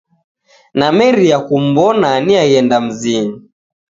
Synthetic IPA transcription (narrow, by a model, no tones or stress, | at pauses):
namɛɾiakum̩bɔnaniaɣɛndam̩zini